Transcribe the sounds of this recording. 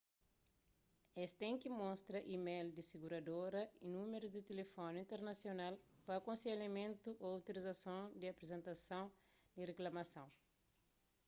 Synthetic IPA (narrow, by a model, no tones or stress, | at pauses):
est̪ẽŋkimõst̪ɾɐʔimejld̪isiɡuɾad̪oɾɐinũmeɾuzd̪ɪt̪elefõnĩnt̪eɾnasjonalpɐːkõsejlamẽnt̪uʔowt̪ilizasõwd̪ɪapɾezẽnt̪asɐ̃w̃d̪ireklamasɐ̃w̃